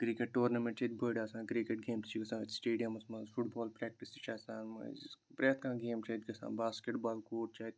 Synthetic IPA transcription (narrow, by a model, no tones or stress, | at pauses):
kɾikeʈ̚ʈoːɾnɐmẽɳʈt͡ʃʰɐt̪ʲbʱəɖaːsãːkɾikeʈɡeːmst͡ʃʰikɐsãːɐt̪ʲsʈeːɖijɐmɐsmɐ̃zfʰuʈbaːlpɾɛːk̚ʈisit͡ʃʰaːsaːnmɐ̰pɾeːt̪kãːɡeːmt͡ʃʰɐt̪ʲkɐsã̰ːnbaːskeʈbaːlkoːʈ̚t͡ʃʰaːt̪ʲ